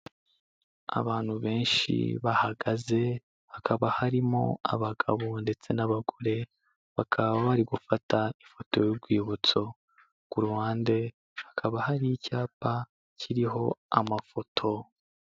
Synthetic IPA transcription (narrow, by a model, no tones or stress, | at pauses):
a̰βaːn̥huβe̞ːnʃḭβahaɡaze̞ | hakʰaβahaɾimo̞̰a̰βaɡaβonde̞t͡se̞naβaɡoɾe̞ | βakʰaββaβaɾiɡufataifo̞to̞juɡwiːβut͡so̞ | ɡ̥uɾuhaːnde̞ | hḁkʰaβahaɾijicaːpa | cʰiɾiɦo̞a̰mafo̞tʰo̞